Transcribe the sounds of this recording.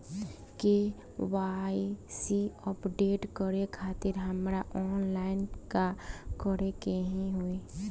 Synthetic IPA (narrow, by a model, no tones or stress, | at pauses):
ke | waisiɔpɖeːʈkəɾekʰaːt̪ɪɾɦəmɾaʔɔːnlaːɪnkakəɾekeɦĩɦue